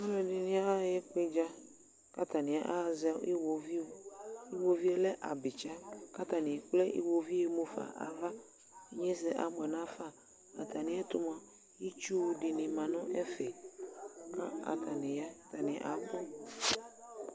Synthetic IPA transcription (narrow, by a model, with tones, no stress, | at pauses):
mɔ̃˦lɔ˨dɪ˨nɪ̃˦a˦jɛ˦k͡pe˦d͡ʒa˦ | ka˦t̪a˨nɪ̃˨a̰˦ʔa˦˨za̰˦ʔi˦wo˨vi˦o˦i˦wo˦vi˦o˦lɛ˦ʔa˨bɪ˨t͡ʃa˦ka˦t̪a˨nɪ̃˨k͡plɛ˦ʔḭ˦wo˨vi˦e˨mo˦fa̰˨ʔa̰˨va˦ | ɲɛ˦sɛ˦ʔa˨ɡ͡bɛ˨nã˦fa˦˨ | a˨t̪ʰa˨nɪ̃˨˦a˦t̪ʊ˦m˨a˨ | i˦t͡ʃu˦dɪ˨nɪ̃˨mã˨nʊ̃˦ʔɛ˦fɛ˨ | ka˦a̰˨t̪ʰa˨nɪ̃˨ja˦t̪a˨nɪ̃˨ʔa̰˨˦k͡pɔ˦